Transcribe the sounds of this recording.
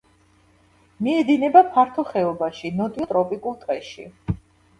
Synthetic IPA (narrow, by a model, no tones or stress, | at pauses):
miɛd̪inɛbapʰaɾt̪ʰɔχɛɔbaʃinɔt̪ʼiɔt̪ʼɾɔpʼikʼulˠt̪ʼɛʃḭ